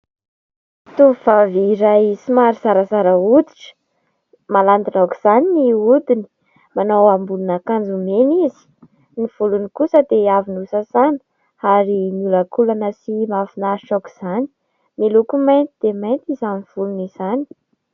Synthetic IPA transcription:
t̪uvaviɾajsimaɾiz̥aɾəzaɾəud̪iʈ͡ʂə̥ | maland̪inaku̥z̥aniniud̪ini̥ | manowambulunakand͡zumenizi̥ | niv̥ulunikusəd̪eavinusasani̥ | aɾinulakulanəsimafinaiʈ͡ʂaku̥z̥ani̥ | milukumajnt̪id̪̥emajnt̪izaniv̥uluniz̥ani̥

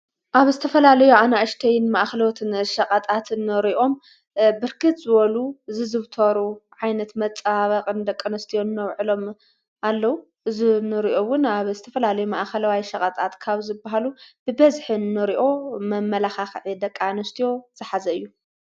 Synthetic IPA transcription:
ʔaβzɨt̪ʰɐfɐlalɐjuanaʔɨʃt̪ʰɐjɪnmaʔxɐlot̪ʰɨnʃɐkʼɐt̪ʼat̪nːɨɾiʔo̞m | bɨɾkʰɨt̪zɨβɐluɨzɨzɨβt̪ʰɐɾuʕajnɐt̪mɐt͡sʼaβɐqʼɨnd̪ɐkʼːanɐst̪ʰijo̞nːɐwʕɨlo̞m | alːɐwu | ʔɨzinɨɾiʔowʊnaβzɨt̪ʰɐfɐlalɐjumaʔxɐlawajʃɐkʼɐt̪ʼat̪kʰaβzɨbaɦalub̥ɨbɐzħinːɨɾiʔo̞mɐmːɐlaxaxʕid̪ɐkʼːanɐst̪ʰijo̞z̥ɨħazɐɨjːu

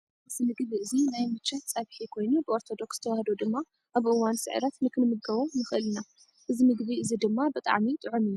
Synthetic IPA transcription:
ɨzinɨɡβiɨzinajmɨt͡ʃʰːɐt̪̚t͡sʼɐβħikʰo̞jnubɨʔo̞ɾt̪ʰo̞d̪o̞kst̪ʰɐwahd̪od̪ɨmːa | ʔaβʔɨwansɨ̰ʕɨ̰ɾɐt̪nɨkʰɨnɨmɨɡɡɐβonɨxʔɨlna | ʔɨzimɨɡβiʔɨzid̪ɨmːabɨt̪ʼa̰ʕmit̪ʼɨʕumiju

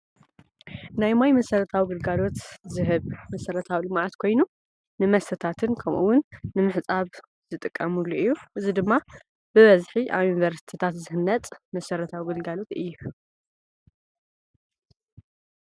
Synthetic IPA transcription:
najmajmɐsɐɾɐt̪ʰawiɡɨlɡalo̞t̪zɨɦɨβmɐsɐɾɐt̪ʰawilɨmʕat̪kʰo̞jnu | nɨmɐst̪ʰɐt̪ʰat̪ʰɨnkʰɐmʔṵwʊnːɨmɨħt͡sʼaβ | zɨt̪ʼɨkʼːɐmulːuʔɨjːuʔɨzid̪ɨmːa | bɨβɐzħiʔa̰βjunivɐɾsi̥t̪ʰi̥t̪ʰat̪zɨhɨnːɐt̪ʼmɐsɐɾɐt̪ʰawiɡɨlɡalo̞t̪ɨjːu

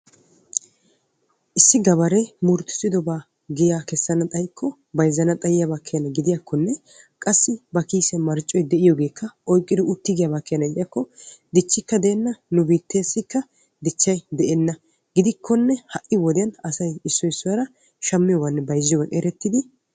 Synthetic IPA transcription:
ʔɪsːɪɡɐbɐɾɛmʊɾt̪ːɪ̥sɪd̪ɔbaː | ɡɪjaːkɛsːɐnɐt̪ʼɐjkːɔ | bɐjzːɐnɐt̪ʼɐjɪjabakʰːɛjɐnɐɡɪd̪ɪjakːɔnːɛ | kʼɐsːɪbɐkiːsɛmɐɾt͡ʃʼːɔjd̪ɛʔɪjɔɡe̞ːkʰːɐɔjkʼːɪd̪ɪʊt̪ːɪɡɪjabakːejɐnɐɡɪd̪ɪjɐkːɔd̪ɪt͡ʃːɪkːɐd̪ɛːnːɐnʊbiːt̪ːe̞ːsːɪkːɐ | d̪ɪt͡ʃːɐjd̪ɛʔɛnːɐ | ɡ̥ɪd̪ɪkʰːɔnːɛhɐʔɪwɔd̪ɛjɐnɐsɐjɪsːɔɪsːʊwɾɐ | ʃɐmːɪjɔːɡɐnːɛbɐjzːɪjɔɡɐʔʼeɾɛt̪ːɪd̪ɪ

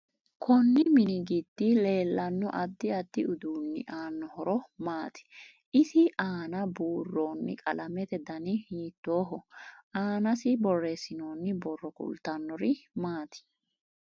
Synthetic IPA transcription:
kʰɔnːɪmɪnɪɡɪd̪ːɪle̞ːlːɐnːɔʔɐd̪ːɪɐd̪ːɪʊd̪uːnːɪ̰ʔaːnːɔɦɔɾɔmaːt̪ɪ̥ | ʔɪsɪʔaːnɐbuːrːoːnːɪ̰kʼɐlɐmɛt̪ɛd̪ɐnɪhiːt̪ːo̞ːɦɔaːnɐsɪbɔrːesɪnoːnːɪbɔrːɔkʊ̰lt̪ɐnːɔɾɪmaːt̪ɪ̥

